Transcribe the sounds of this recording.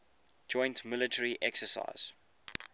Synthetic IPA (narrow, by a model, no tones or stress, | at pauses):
d͡ʒɔ̃ɪ̃ntmɪlətʰəɹiʔɛksəsa̰ɪz̥